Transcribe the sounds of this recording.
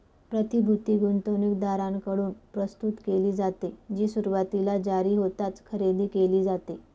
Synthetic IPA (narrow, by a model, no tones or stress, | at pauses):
pɾət̪ibʱut̪iːɡunt̪onukd̪aɾãnkəɽuːnpɾəst̪ut̪keliːd͡zat̪ed͡ʑiːsuɾuʋat̪ilad͡ʑaɾiːɦot̪at͡skʰəɾed̪iːkeliːd͡zat̪e